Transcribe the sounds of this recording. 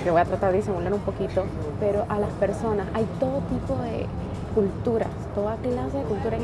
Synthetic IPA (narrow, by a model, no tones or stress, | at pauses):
keβo̞jat̪ɾat̪aɾðis̬emuleɾumpo̞kit̪o̞ | pe̞ɾo̞ʔalaspe̞ɾso̞nasajt̪o̞ðot̪ipo̞ðe̞̰ | kult̪uɾa̰st̪o̞ðaklase̞ðe̞kult̪uɾae